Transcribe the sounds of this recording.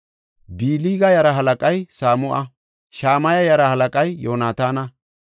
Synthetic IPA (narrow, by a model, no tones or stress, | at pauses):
biːliːɡɐjɐɾɐɦɐlɐkʼɐjsaːmʊʔɐ | ʃaːmɐjɐjɐɾɐhɐlɐkʼɐjːoːnaːt̪aːnɐ